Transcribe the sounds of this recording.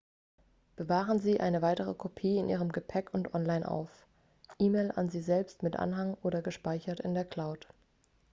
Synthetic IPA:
b̥əvaːʁənziːʔa̰ɪnəvaɪtəʁ̞əkʰopʰiːɪnʔiːʁ̞əmɡəpʰɛkʊntʔɔnlaɪnʔa̰ʊf | ʔiːmeɪlʔa̰nziːzɛlpstmɪtʔa̰nɦaŋʔoːɾɐɡəʃpaɪçɐtɪ̰ndeːɐkʰl̥aʊt

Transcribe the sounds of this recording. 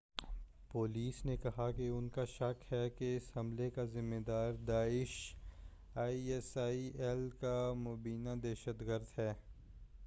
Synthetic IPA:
poːliːsnekɐɦakeʊnkaʃɐkhɛkeɪshɐ̃mlekazɪmːeːd̪aːɾd̪aːɪʃ | aːiɛsaːiʔɛlkamoːbiːnad̪ɛːʃət̪ɡəɾd̪ɦɛː

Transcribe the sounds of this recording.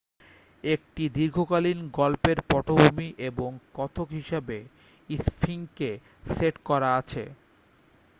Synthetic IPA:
ek̚ʈid̪iɾɡʱokalinɡɔlpeɾpɔʈʰobʱumiʔeboŋkɔt̪ʰokɦiʃebe | ispʰiŋke | seʈkɔɾaat͡ɕʰḛ

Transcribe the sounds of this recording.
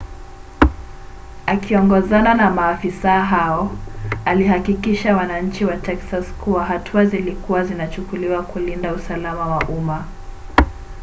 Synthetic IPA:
akiɔŋɡɔzananamaːfisaɦaɔaliɦakikiʃawanaɲ̩t͡ʃiwatʰɛksaskuwaɦatʰuazilikuwazinat͡ʃukuliwakulindausalamawaʔuma

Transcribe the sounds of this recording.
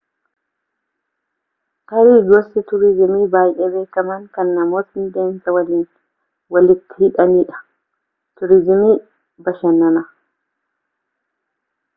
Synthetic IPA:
kɐɾiːɡɔsɪt̪ʊɾɪzɪmiːbaːjɛbe̞ːkɐmɐŋkɐnːɐmoːsɪnd̪eːnsɐwɐliːn | wɐlɪt̪ːɪhɪᶑɐniːᶑɐ̥ | t̪ʊɾɪzɪmiː | bɐʃɐnɐnɐ

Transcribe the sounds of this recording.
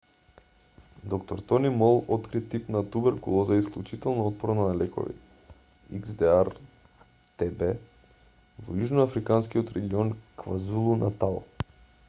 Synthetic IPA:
d̪ɔkt̪ɔɾt̪ɔnimɔlˠɔt̪kɾit̪ipnat̪ubɛɾkulˠɔzaisklˠʲut͡ʃit̪ɛlˠnoɔt̪̚pɔɾnanalɛkɔ̰vḭt̪ | iɡzd̪ɛaɾ | t̪ɛbɛ | vɔjuʒnoafɾikanskiot̪ɾɛɡiɔnkvazulˠunat̪alˠ

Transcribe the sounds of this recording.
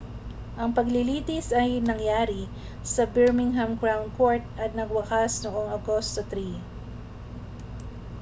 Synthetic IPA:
ʔɐŋpɐɡlɪliːt̪ɪsɐjnɐŋjaːɾi | sɐbɛɹmɪŋɦɐmkɹawnko̞ɹt̪̚ʔɐt̪̚nɐɡwɐkasnoʔo̞ŋɐɡost̪ot̪ɾi

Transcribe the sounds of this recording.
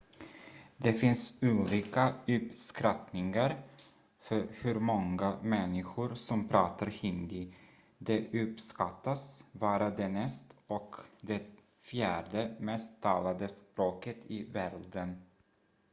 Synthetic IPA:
d̪ɛfɪnsuːliːkaɵpskɾat̪nɪŋaɾ | fœɾhɵɾmɔŋːamɛnːɪɧʊɾsɔmpʰɾɑːt̪ʰaɾhɪnd̪ɪ | d̪ɛʔɵpskat̪ːasbɑːɾad̪ɛnɛst̪ɔkd̪ɛ | fjæːɖəmɛst̪ʰːɑːlad̪əspɾoːkət̪ʰɪvæɾd̪ən

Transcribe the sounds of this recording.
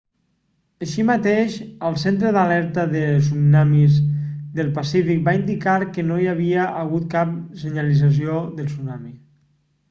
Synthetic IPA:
əʃimat̪eʃəlˠsent̪ɾəðalɛɾt̪əðəsunamizd̪əlˠpasifik̚baind̪ikaɾkənoiaβ̞iəʔəɣut̪̚kap̚səɲalid͡zas̬ioðəlˠsunami

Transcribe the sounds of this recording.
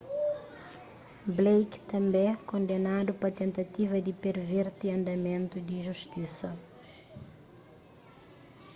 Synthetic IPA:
blejkt̪ɐ̃mbẽkõnd̪enad̪upɐt̪ẽnt̪ɐt̪ivɐd̪ipeɾveɾt̪iɐ̃nd̪ɐmẽnt̪ud̪iʒuʃt̪isɐ

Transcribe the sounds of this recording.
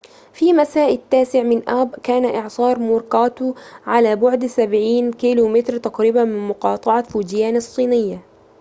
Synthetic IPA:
fiːmasaːʔɪt̪ːaːsɪʕmɪnʔabkaːnaʔɪʕsˤɑːɾˤmuɾkɑːt̪uʕalaːbʊʕd̪sabʕiːnkiːluːmɪt̪ɾt̪aqɾiːbamɪnmʊqɑːt̪ˤɑʕɑfuːd͡ʒɪjaːnɑsˤːiːnɪjːa

